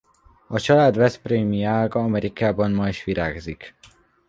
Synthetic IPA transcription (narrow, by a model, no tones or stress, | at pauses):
ɒt͡ʃɒlaːd̪vɛspreːmiaːɡɒɒmɛɾʔikaːbɒnmɒiʃʋiɾʔa̰ːɡzik